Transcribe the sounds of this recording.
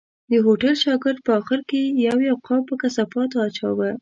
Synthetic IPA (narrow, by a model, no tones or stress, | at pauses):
d̪əɦoʈalʃɑɡɪɾd̪̚pəɑxɪɾkejawjawqɑwpəkasapɑt̪oat͡ʃɑ̰wə